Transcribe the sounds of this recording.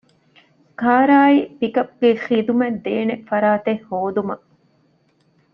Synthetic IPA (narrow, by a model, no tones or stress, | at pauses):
kaːɾaːipikɐp̚ɡexiːd̪umɛd̪ːeːnefɐɾaːt̪ehːoːd̪umɐ